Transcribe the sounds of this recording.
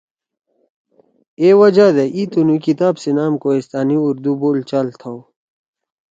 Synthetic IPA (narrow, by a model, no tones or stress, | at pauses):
ewɐd͡ʑad̪eʔit̪unukit̪aːbsinaːmkoist̪aːniuɾd̪uboːlt͡ɕalt̪ʰaw